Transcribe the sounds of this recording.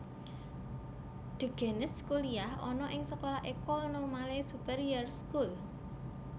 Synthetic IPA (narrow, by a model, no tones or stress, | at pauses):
d̪̥ṳɡ̥a̤nɪskuliahɔnɔʔɪŋsəkolahʔekɔnomalesupɛɾiərskul